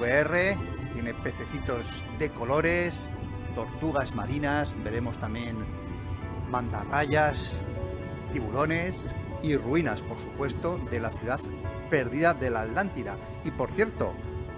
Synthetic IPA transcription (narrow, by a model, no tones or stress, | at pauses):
βeere̞t̪je̞ne̞pe̞θe̞θit̪o̞z | ðe̞ko̞lo̞ɾe̞st̪o̞ɾt̪uɣ̞azmaɾinasbe̞ɾe̞mo̞st̪amje̞n | mãnt̪a̰rajas | t̪iβulo̞ne̞siruinaspo̞ɾsupwe̞st̪o̞ðe̞laθjuðað | pe̞ɾðiðaðe̞lat̪lant̪iða̰ | ipo̞ɾθje̞ɾt̪o̞̰